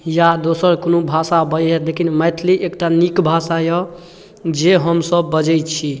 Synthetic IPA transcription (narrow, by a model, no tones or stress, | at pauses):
jad̪osəɾkonobʱasabəjɦɛlekʰinməjt̪ʰliʔekʈanikbʱasajɔ | d͡ʒeɦəmsəbːəd͡ʒɛjt̪t͡ʃʰi